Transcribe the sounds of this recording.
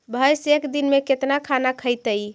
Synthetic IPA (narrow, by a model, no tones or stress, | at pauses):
bʱəjsekd̪inmeket̪nakʰanakʰəjt̪əj